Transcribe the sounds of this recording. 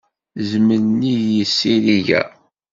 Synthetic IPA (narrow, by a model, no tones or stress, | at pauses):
zməɾnijəsːiɾiʝæ̰